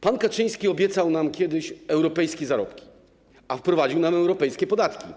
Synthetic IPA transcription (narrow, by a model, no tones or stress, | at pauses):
pankat͡ʂɘj̃skʲiɔbʲjɛt̪sawnamkʲɛd̪ɘɕɛwɾɔpɛjskʲɛzaɾɔ̰pkʲi̥ | afpɾɔvad͡ʑiwnamɛwɾɔpɛjskʲɛpɔd̪at̪kʲḭ